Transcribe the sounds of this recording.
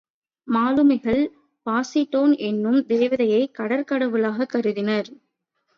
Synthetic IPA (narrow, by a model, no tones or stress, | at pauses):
maːlɯmɐɪɣɐɭ | paːsɪʈːoːnʔɛnːɯmd̪eːʋɐðɐjɐɪkɐɽɐɾkɐɽɐʋɯlaːɣɐkːɐɾɯðɪnɐɾ